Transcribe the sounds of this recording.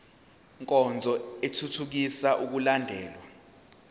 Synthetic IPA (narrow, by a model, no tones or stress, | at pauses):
ŋkʼɔnd͡zʱɔetʰutʰuk̬isaʔuk̬ulandʱɛːlwa